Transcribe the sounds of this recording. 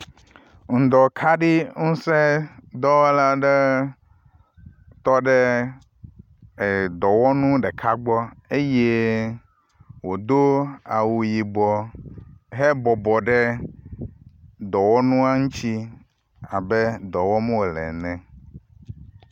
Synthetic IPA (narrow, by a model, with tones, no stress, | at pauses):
ŋ̩̃˨d̪ɔ˨kʰa˦ɖi˦ŋũ˦se˦d̪ɔ˦wla˦ɖe˦ | t̪ɔ˦ɖe˦ | e˨d̪ɔ˨wɔ˦nũ˦ɖe˨kʰa˦ɡ͡bɔ˦e˦je˦ | wo˨d̪o˦a˨wu˨ji˨ɡ͡bɔ˨ | ɦe˦bɔ˨bɔ˨ɖɛ˦ | d̪ɔ˨wɔ˦nũ˦a˦ŋũ˦t͡ɕi˦ | a˨be˦d̪ɔ˨wɔ˦mɛ˦wo˨lɛ̰˨nɛ̃˨